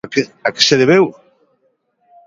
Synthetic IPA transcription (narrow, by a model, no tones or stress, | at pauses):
ake̥seðeβew